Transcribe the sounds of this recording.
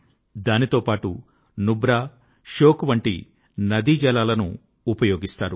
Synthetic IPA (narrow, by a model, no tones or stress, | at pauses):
d̪aːnit̪o̞ːpaːʈu | nubɾaː | ʃoːkʋɐɳʈḭ | nɐd̪id͡ʒɐlaːlɐnṵː | pɐjoːɡist̪aːɾu